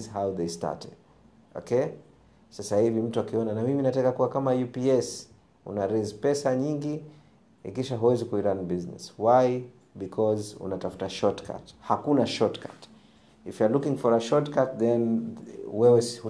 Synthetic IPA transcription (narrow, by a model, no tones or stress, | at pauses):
zhawðesta̰tɛd̥ | ɔ̰kɛ | sasahivim̩tuakiɔnanamiminatakakuwakamajupiɛs | ṵnaɾɛzpɛsaɲiŋɡi | ḭkiʃaɦuwɛzikuiɾanbiznɛ̰swaj | bikʰɔzṵnatafu̥taʃɔtkʰa̰thakunaʃɔtkʰa̰t | ifjalukĩŋfɔɾaʃɔtkat̚ðɛn | wɛwɛhu